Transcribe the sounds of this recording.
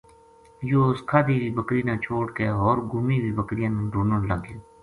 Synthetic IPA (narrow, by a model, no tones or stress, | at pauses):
joːskʰaːd̪iːʋiːbəkɾiːnãːt͡ʃʰoːʈkeːɦoːɾɡuːmiːwiːbəkɾɪjãːnɾuːnənləɡeː